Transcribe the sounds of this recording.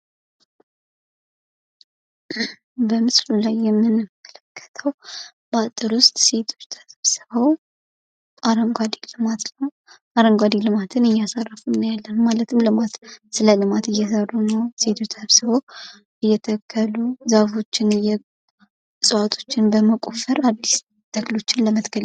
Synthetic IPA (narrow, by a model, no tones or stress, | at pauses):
bəmɨslulajːɛmːɨnːɨkʰːələkʰːə̥t̪ʰəw | b̥at̪ʼːɨɾwʊst̪ʼse̞t̪ʰo̞̥t͡ʃːt̪ʰəβsɨβəw | ʔaɾəŋɡʷad̪ilɨmat̪əw | ʔaɾəŋɡwad̪ilɨmat̪ʰɨnɨjasarːəfunnəjalːənmalət̪ʰɨmlɨmat̪sɨləlɨmat̪ɨjːɛsərːunəwse̞t̪ʰo̞t͡ʃt̪ʰəsβsɨβəw | ʔɨjːɛt̪ʰəkʰːəluzafo̞t͡ʃːɪnjɛ | sʼɨwat̪ʰo̞̥t͡ʃːɪnbəməkʼofəɾad̪ːis | t̪ʰəklo̞t͡ʃːɪnləmət̪ɡəl